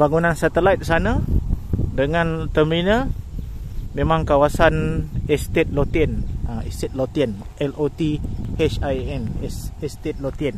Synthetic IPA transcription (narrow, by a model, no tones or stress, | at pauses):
baŋunansat̪əlajt̪̚sanə | dəŋant̪əminə | mẽmãŋkawasanɛst̪et̪̚lot̪inaɛ̰st̪et̪̚lot̪iən | ʔɛlot̪ihɛt͡ʃajɛnɛsɛst̪et̪̚lot̪ən